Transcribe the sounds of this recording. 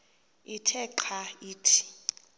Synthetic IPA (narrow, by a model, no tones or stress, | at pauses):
itʰɛǃʰaiːtʰi̥